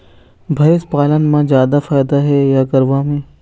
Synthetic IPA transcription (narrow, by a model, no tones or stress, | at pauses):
bʱɐjspaːlənmãzjaːd̪afaːjd̪aɦɛjaɡɐɾʋamẽː